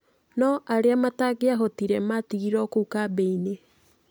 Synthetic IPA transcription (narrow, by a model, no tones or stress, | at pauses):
nɔʔaɾeamataɡeaɦɔtiɾɛmatiɣiɾɔkuukabɛine